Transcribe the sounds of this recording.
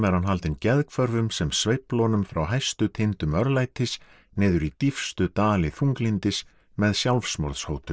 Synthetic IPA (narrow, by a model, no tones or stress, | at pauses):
mɛɾhanɦalt̪ɪncɛðkʰvœɾvʏmsɛmsvejplɔnʏmfɾawɦajst̪ʏt̪ʰɪnt̪ʏmœɾlajt̪ʰɪs | nɪːðʏɾit̪ifst̪ʏt̪aːlɪθuŋklint̪ɪs | mɛðsjawlfsmɔ̰ɾðshowt̪ʏm